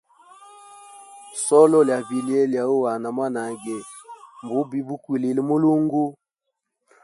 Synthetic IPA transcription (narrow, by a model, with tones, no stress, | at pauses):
sɔ˦lɔ˦lja˨bi˨li˦ɛ˦lja˨o˦wa˨na˨ma˦na˨ɡɛ˨ | m˨bo˨˦bi˦bu˦kwi˨le˨li˦mo˦lo˦ŋɡo˦